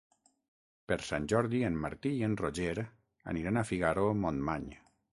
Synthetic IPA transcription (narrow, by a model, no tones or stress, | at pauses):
peɾsanʲd͡ʒɔɾðienːaɾt̪iienroʒeɾ | a̰niɾanafiɣaɾomonmaɲ